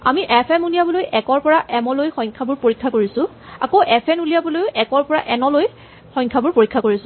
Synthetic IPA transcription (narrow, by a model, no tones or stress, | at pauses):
amiʔɛpʰɛmunijabɔlojʔɛkɔɹpɔɹaʔɛmɔlojxɔjŋkʰabʊɹpoɹikʰːakoɹisʊ̃ | a̰kowʔɛpʰɛnulijabɔlojɛkɔɹpɔɹa̰ʔɛnɔloj | xɔ̃jɲkʰabʊɹpoɹikʰːakoɹisʊ̃